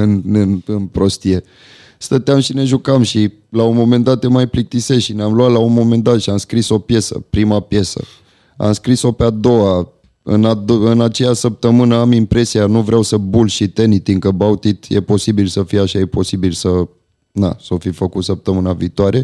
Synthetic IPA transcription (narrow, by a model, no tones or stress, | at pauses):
ɨnɨnɨnpɾo̞st̪ije̞ | st̪ət̪eamʃine̞ʒukamʃi | launmo̞me̞nd̪at̪jemajplik̚t̪iseʃineamluat̪launmo̞me̞nd̪at̪ʃiamskɾiso̞pje̞sə̰pɾimapje̞sə̰ | a̰mskɾiso̞pead̪o̞wa | ɨ̰nad̪ɨnat͡ʃe̞jasəp̚t̪əmɨnəamimpɾe̞sijanuvɾeawsəbulʃit̪e̞nit̪iŋkəbaut̪it̪je̞̰po̞sibilsəfijaʃajepo̞sibilsə | na̰sofifəkut̪səp̚t̪əmɨnaviːt̪oaɾe